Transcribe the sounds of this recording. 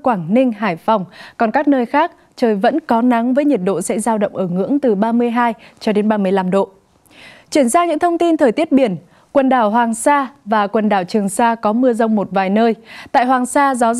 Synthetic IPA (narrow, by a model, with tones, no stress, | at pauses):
kwaː˧˩ŋnï˧ŋ̟ɦaː˧˩jfa˨˩wŋ͡mkɔ˨˩nkaː˦˥k̚nəː˧jxaː˦˥k̚ | t͡ɕəː˨˩jvə̰˧˥nkɔ˨˦na˨˦ŋvəː˨˦jɲi˨˩t̚ɗo̰˧˨sɛ̰˧˥zaː˧wɗə̰˧˨wŋ͡mʔəː˧˩ŋɨ̰˧˥əŋt̪ɨ˨˩ɓaː˧mɨ˧əjɦaː˧jt͡ɕɔ˧ɗe˨˦nɓaː˧mɨ˧˩əjla˧mɗo̰˧˨ | t͡ɕwi˧˩ənzaː˧ɲɨ̰˧˥ŋt̪ʰə˧wŋ͡mt̪i˧nt̪ʰəː˨˩jt̪i˦˥ət̚ɓi˧˩ən | kwə˨˩nɗaː˧˩wɦwaː˨˩ŋsaː˧vaː˨˩kwə˨˩nɗaː˧˩wt͡ɕɨ˨˩əŋsaː˧kɔ˨˦mɨ˧əzə˧wŋ͡mmo˨˩t̚vaː˨˩jnəː˧jt̪a̰ː˧˨jɦwaː˨˩ŋsaː˧za˨˦